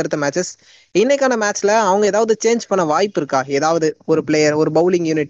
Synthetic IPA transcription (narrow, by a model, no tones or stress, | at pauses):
ɐɾɯt̪ːɐmaːt͡ʃɛs | ɪnːɐkːaːnɐmaːʈt͡ʃɪlɐɐʋɐŋɡɐeːðaːʋɐðɯt͡ʃeːnd͡ʒpɐɳːɐʋaːjpːɪɾɯkːaːeːðaːʋɐðɯɔɾɯpɭeːjɐɾɔɾɯbɐʊlɪŋɡjuːnɪʈ